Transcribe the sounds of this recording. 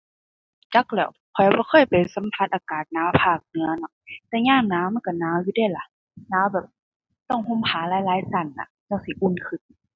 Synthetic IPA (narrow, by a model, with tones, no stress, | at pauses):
t͡ɕa˧˦˥k̚lɛ˧˩w | kʰɔ˨˩jbɔː˧˦xʰɤː˧˥˩jpa˨˩jsa˨˦mpʰa˧t̪̚ʔaː˨kaː˨˩t̪̚naː˨˥wpʰaː˧˩k̚nɯ˧˦ɐnɔ˧˩t̪ɛː˧ɲaː˧˥˩ŋnaː˧˥wma˧˥˨nka˧˩naː˨˦˥wjuː˧da˧˩jla˧˦ | naː˧˥wbɛː˨˩p̚ | t̪ɔ˥˩ŋhu˧˥˨mhʰaː˨˦laː˨˦jlaː˨˦jsa˧˩nla̰˧˩t͡ɕa˧˩si˨˦ʔu˧˥˩nkʰɯ˧˩n